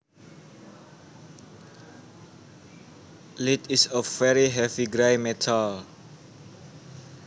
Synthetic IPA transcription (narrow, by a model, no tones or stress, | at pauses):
litisəvɛɹiɦɛviɡɹaɪmɛtʰal